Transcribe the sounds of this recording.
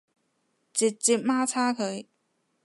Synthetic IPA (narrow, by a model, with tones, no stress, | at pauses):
t͡ɕi˨˩t̚t͡si˧˥maː˥t͡sʰaː˥kʰə˨˧˥j